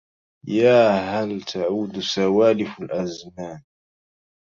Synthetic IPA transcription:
jaːɦalt̪ʰaʕuːd̪sawaːlɪfalʔazmaːn

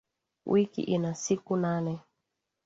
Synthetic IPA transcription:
wʔikḭʔinasikunanɛ

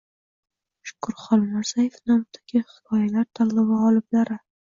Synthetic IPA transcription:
ʃʊ̥kʰʊɾχɒlˠmaɾz̥ajefnɒmt̪ʰḁɡʲɪhɪ̥kʰɒjalaɾt̪ʰaɾlˠɪbaɒlˠɪblaɾɪ

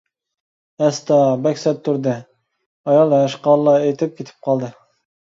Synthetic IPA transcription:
ɛst̪ɑbɛkʲsɛt̚t̪ʰːuɾd̪ɨ | ɑjɑlˠɦæʃqɑllːˠɑejt̪ʰɪp̚kʲʰet̪ʰɪ̥p̚qʰɑlˠd̪ɨ

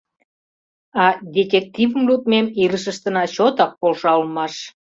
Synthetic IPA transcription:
ɑd̪ʲet̪ʲek̚t̪ʲivəmlut̪̚memiləʃəʃt̪ənɑt͡ɕot̪ɑk̚polʃɑlmɑʃ

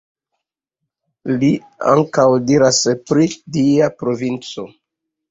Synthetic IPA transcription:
li | a̰ŋkawdiɾaspɾidiapɾo̞vint͡so̞

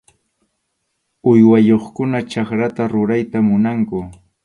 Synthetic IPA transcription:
ʊjwajoχkʊnat͡ʃakɾat̪aɾʊɾajt̪amʊnaŋkʊ

